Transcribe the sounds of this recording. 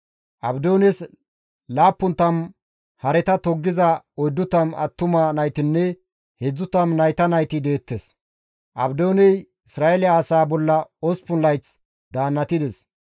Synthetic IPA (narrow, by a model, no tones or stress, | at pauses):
ʔɐbd̪oːnɛs | laːpːʊnt̪ːɐm | hɐɾɛt̪ɐt̪ɔɡːɪzɐɔjd̪ːʊt̪ɐmɐ̰t̪ːʊmɐnɐjt̪ɪnːɛ | hɛd͡zːʊt̪ɐmnɐjt̪ɐnɐjt̪ɪd̪e̞ːt̪ːes | ʔɐ̰bd̪oːnɛj | ɪsɾaːʔɛlɪaːsaːbɔlːɐɔspʊnlɐjt͡s | d̪aːnːɐt̪ɪd̪ɛs